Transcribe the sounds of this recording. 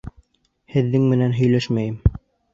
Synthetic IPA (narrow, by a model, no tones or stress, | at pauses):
hɘ̆ðːɘŋmɘ̆nænɦɵ̆jlæʃmæjɘm